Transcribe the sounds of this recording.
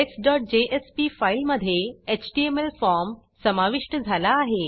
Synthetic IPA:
eksɖɔːʈ̚d͡ʑeʔespifailməd̪ʱjeet͡ɕʈiemelfɔɾm | səmaʋiʂʈəd͡zʱalaːɦe

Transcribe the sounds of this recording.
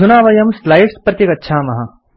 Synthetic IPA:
unaːʋɐjɐmslaːjʈspɾɐt̪jikɐtːʃʰaːmɐɦa

